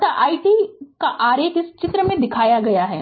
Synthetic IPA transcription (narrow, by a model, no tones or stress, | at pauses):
aʔaːiʈikaʔaːɾeːkɪst͡ʃɪt̪ɾəmẽd̪ɪkʰaːjaɡɐjaɦɛː